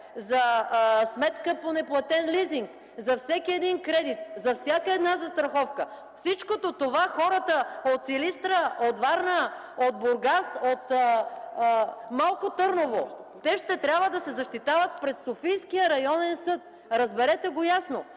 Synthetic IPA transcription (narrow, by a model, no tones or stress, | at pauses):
zɐsmɛt̪kəponɛplˠɐt̪ɛnliziŋk | zɐfsɛkiɛd̪iŋkɾɛd̪it̪̚zɐfsʲjakəɛd̪nazɐst̪ɾɐxɔfkə | fsit͡ʃkot̪ot̪ovaxɔɾət̪əot̪silist̪ɾəot̪vaɾnə | od̪̚bʊɾɡasot̪ː | malˠkot̪ɤɾnovot̪ɛʃt̪ɛt̪ɾʲjabvəd̪ɐsɛzɐʃt̪it̪avət̪̚pɾɛt̪sofijskijəɾɐjɔnɛnsɤt̪̚ | ɾɐzbɛɾɛt̪ɛɡojasno